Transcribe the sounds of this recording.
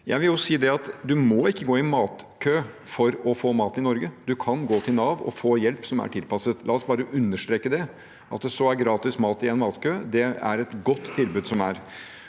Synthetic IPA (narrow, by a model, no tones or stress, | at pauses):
jæɪʋɪljʊsiːd̪ɛɑt̪d̪ʉmɔɪkːəɡoːɪmɑːt̪kʰøː | fɔɾɔfoːmɑːt̪ɪnɔɾɡəd̪ʉkʰɑnɡoːt̪ʰɪlnɑːʋɔ̰foːjɛlpsɔmæ̰ʈʰɪlpɑsət̪lɑːɔsbɑːɾəʔʉnːəʂt̪ɾeːkːəd̪ɛ | ʔɑt̪̚d̪ɛsɔæɾɡɾɑːt̪ɪsmɑːt̪ɪɛnmɑːt̪kʰøːd̪ɛæ̰ɾɛt̪ɡɔt̪ʰːɪlbʉːd̪sɔmæɾ